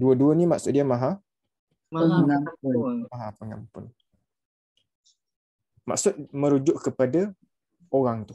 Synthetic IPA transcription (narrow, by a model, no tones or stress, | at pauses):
duəduənimaʔsʊt̪̚diamaɦa | maamaɦapəŋampʊn | ma̰ʔksʊt̪̚məɾud͡ʒʊʔkəpada | oɾaŋt̪ʊ